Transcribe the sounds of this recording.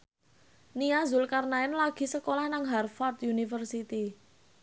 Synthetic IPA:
niazʊlkarnaɪnlaɡ̥i̤səkolahnaŋɦarfart̪unifərsit̪i

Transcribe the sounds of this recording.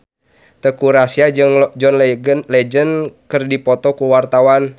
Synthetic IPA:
t̪əkuɾasiad͡ʒɨŋd͡ʒɔnlɛd͡ʒənkɨrdipɔt̪ɔkuwart̪awan

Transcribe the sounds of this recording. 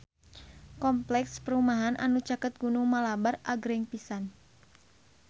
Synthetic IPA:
kɔmplɛkspəɾumaɦanʔanut͡ʃakət̪̚ɡunuŋmalabaraɡɾɛŋpisan

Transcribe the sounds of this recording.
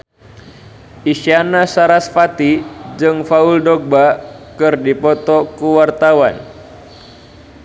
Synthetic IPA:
ʔiʃianasaɾasfat̪id͡ʒɨŋfauldɔk̚bakɨrdipɔt̪ɔkuwart̪awan

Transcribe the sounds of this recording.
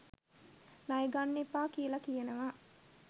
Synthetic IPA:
najeɡanːepːaːkijəlakijənəʋa

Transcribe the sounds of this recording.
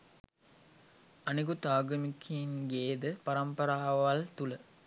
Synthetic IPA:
ɐniɡut̪aːɡəmikʰiŋɡeːd̪əpɐɾɐmpɐɾaːʋalt̪ulə

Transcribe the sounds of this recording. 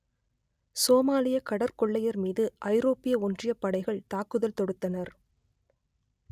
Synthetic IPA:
soːmaːlɪjɐkɐɽɐɾkɔɭːɐjɐɾmiːðɯʔɐɪɾoːpɪjɐɔndrɪjɐpːɐɽɐɪɣɐɭt̪aːkɯðɐlt̪ɔɽɯt̪ːɐnɐɾ

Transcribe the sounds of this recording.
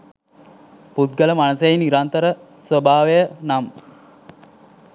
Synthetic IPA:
put̪̚ɡələmanəseiniɾant̪əɾə | sʋəbaːʋejənam

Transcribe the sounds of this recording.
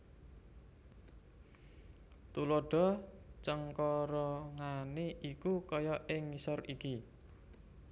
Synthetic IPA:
t̪ulɔɖ̥ɔ̤t͡ʃəŋkɔɾɔŋaneʔikukɔjɔʔɪŋːisɔriki

